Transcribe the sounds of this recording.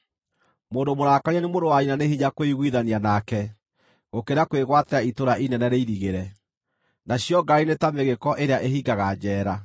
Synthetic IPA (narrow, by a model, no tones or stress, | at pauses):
moːndomoɾaːkaɾianemoɾdowainanehiɲakoiɣwiðanianakɛ | ɣokeɾakweɣwatɛaitoɾaʔinɛnɛɾeiɾiɣeɾɛ | naɕjɔɡainetameɣekɔʔeɾeaʔeɦiɡaɣad͡ʑɛːɾa